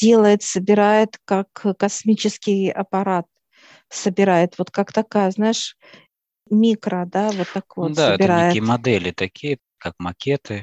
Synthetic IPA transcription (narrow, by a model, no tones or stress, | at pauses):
dʲe̞lˠəjɪt̪səbʲɪɾajɪt̪kakːɐsmʲit͡ɕɪskʲɪjɐ̰pɐɾat̪̚ | səbʲɪɾajɪt̪vo̞t̪kakt̪ɐkajəznaɪʂ | mʲikɾəd̪avot̪ːakvod̪saəɛtb̪ʲɪɾaejɪkʲijəmɐd̪ɛlʲɪt̪ɐkʲʰijə | kakmɐkʲet̪ɨ